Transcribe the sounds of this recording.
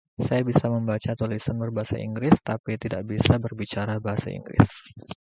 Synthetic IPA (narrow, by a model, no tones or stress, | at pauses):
sajabisaməmbat͡ʃat̪ulisənbərbaɦasa̰ʔḭŋɡɾɪst̪apit̪ida̰ʔbisabərbit͡ʃaɾabaɦasa̰ḭŋɡɾɪ̰s